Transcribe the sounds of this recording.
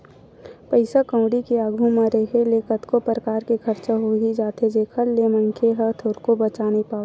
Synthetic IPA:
pəɪsakə̃ːɽikiaːɡʱũmãɾeɦeleːkət̪kopɾəkaːɾkekʰəɾt͡ʃaɦoɦid͡ʒaːt̪ʰed͡ʒeːkʰəɾlemə̃ŋkʰeɦət̪ʰoːɾkobət͡ʃaːnipaːo

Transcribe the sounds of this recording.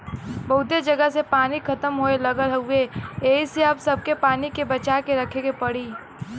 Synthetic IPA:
bɐɦʊt̪ed͡ʒəɡəsepaːnikʰɐt̪əmɦoeləɡəlɦəʊeeːɦiseɐbsɐb̚kepaːnikebət͡ʃakeɾəkʰeɡepɐɽiː

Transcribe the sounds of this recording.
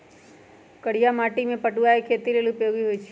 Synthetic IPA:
kəɽijamaʈimẽpəʈuaekʰet̪ilelupeɡiɦojt͡ʃʰe

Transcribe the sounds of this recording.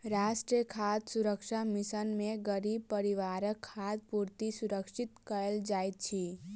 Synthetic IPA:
ɾaːsʈɾiəkʰaːd̪sʊɾəkʃamɪsənmẽɡəɾiːbpəɾiʋaːɾəkʰːaːd̪̚puːɾt̪isʊɾəkʃɪt̪kəɾəld͡ʒaːjt̪̚t͡ʃʰi

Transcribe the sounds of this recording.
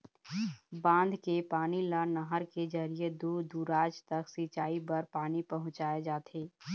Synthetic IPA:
bãːnd̪ʱkepaːnilanəɦəɾked͡ʒəɾied̪uːd̪uːɾaːd͡ʒt̪ɐksit͡ʃaːibɐɾpaːnipɐɦʊ̃t͡ʃaːed͡ʒaːt̪ʰeː

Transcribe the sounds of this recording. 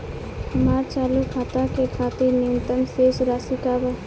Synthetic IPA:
həmaːɾt͡ʃaːlukʰaːt̪akekʰaːt̪iɾnɪənt̪ənseːsɾaːsikaːba

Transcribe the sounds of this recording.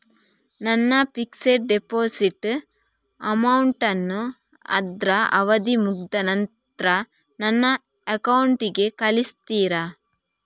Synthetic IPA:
nɐnːɐpikseɾɖepoːsiʈː | ɐmɐwuɳʈɐnːu | ɐ̰d̪ɾɐʔɐ̰ʋɐd̪imuɡd̪ɐnɐn | t̪ɾɐ | nɐnːɐ | ɐkɐwuɳʈiɡe̞kɐlist̪iːɾɐ

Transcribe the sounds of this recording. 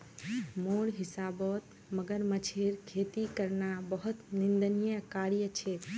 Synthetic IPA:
moɽɦisabɔt̪ | məɡəɾmət͡ʃʰeɾkʰet̪ikəɾnabəɦut̪nind̪ənijəkaɾijət͡ʃʰe

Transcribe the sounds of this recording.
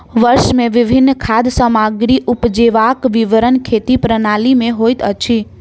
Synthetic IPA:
ʋəɾʃmẽʋɪbʱinːkʰad̪səmaɡɾiʔupd͡ʒeʋakʋiʋəɾənkʰet̪ipɾənalimẽɦojt̪ə̰t͡ʃʰi

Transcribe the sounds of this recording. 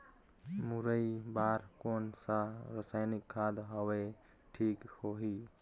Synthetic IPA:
muɾəibaːɾkoːnsaɾəsaːjnɪkʰːaːd̪ɦəwe | ʈʰiːkhoɦiː

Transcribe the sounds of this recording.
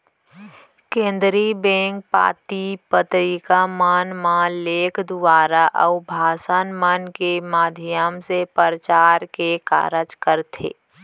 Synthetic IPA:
kẽːnd̪ɾibɛ̃ːŋk̚pa̰ːt̪ipət̪ɾiːkamənmãleːkʰd̪ʊwaːɾaʔə̰ʊbʱaːsənmənkemaːd̪ʱɪjjəmsepəɾət͡ʃaːɾkeka̰ːɾəd͡ʒkəɾt̪ʰḛː

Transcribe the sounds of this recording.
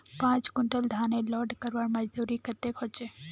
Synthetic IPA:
pãːt͡ʃkʊɳʈəld̪ʱaːnelɔːɖkəɾʋaɾməd͡ʒd̪uːɾikət̪ːekɦot͡ʃe

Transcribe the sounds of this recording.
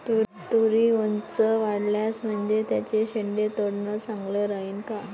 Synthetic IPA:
t̪u | t̪uɾiːʋont͡səʋaɽljasm̤əɳd͡ʑet̪jat͡ɕeɕeɳɖet̪oɽɳəsãŋɡləːɾaɦiːnka

